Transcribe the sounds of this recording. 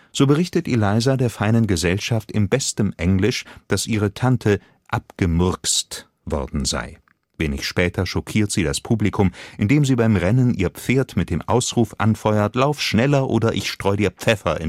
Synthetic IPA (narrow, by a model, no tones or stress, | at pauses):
z̥oːbəʁɪçtətʔelaɪzadeːɐfaɪnənɡəzɛlʃaftɪmbɛstəmʔɛŋlɪʃd̥asʔiːʁ̞ətʰantʰə | ʔapɡ̥əmʏɐkst | v̥ɔ̰ɐdn̩za̰ɪ | veːnɪ̰çʃpɛːtʰɐʃɔkʰiːɐtz̥iːdaspʰuːblikʰʊmʔɪndeːmziːbaɪmʁɛnənʔiːɐp͡feːɐtmɪt̚d̥eːmʔa̰ʊsʁuːfʔa̰nfɔʏɐtlaʊfʃnɛlɐʔoːdɐʔɪçʃtʁ̥ɔʏdiːɐp͡fɛfɐʔɪ̰n